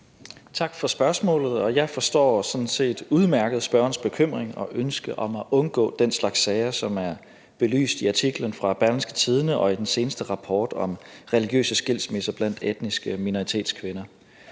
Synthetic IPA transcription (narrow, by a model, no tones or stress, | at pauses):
t͡sʰɑ̈ɡ̥fɒ̽sb̥ɶɐsmɔ̰ːlð̞̩ˠɒ̽jɑ̈ɪfɒ̽sd̥ɒ̰ːsɒ̽dn̩se̝̰ːd̥uð̞ˠmæɐɡ̥əð̞̩ˠsb̥ɶɐɐnsb̥e̝kʰøm̰ʁeŋɒ̽ʔønsɡ̥əʔɒ̽mæʔɔ̽nɡ̥ɔ̰̽ːd̥enslɑ̈ɡ̥sːɛːɪəsɒ̽mæɐ | b̥e̝ly̰ːsd̥iɑ̈t͡sʰiɡ̥lənfʁɑ̈b̥æɐlensɡ̥ət͡sʰiːð̞ˠənəʔɒ̽id̥ense̝ːnəsd̥əʁɑ̈pʰɒːd̥ɒ̽mʁɛliɡ̥jø̰ːsəsɡ̥il̰sme̝sɐb̥læn̰d̥ed̥nisɡ̥əminoʁit͡sʰe̝̰ːd̥skʰʋenɐ